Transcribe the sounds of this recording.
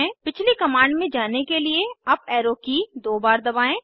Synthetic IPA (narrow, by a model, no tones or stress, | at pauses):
ɛ̃pɪt͡ʃʰlikɐmãːɳɖmẽd͡ʒaːnekelieɐbɛːɾoːkid̪oːbaːɾd̪ɐbaːẽː